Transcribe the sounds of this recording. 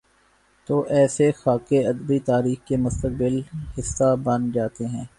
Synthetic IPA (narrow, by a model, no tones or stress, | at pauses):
t̪oːʔɛːsexaːkeɐd̪əbit̪aːɾiːxkemʊst̪ək̚bɪlhɪsːabɐ̃nd͡ʒaːt̪eɦɛ̃ː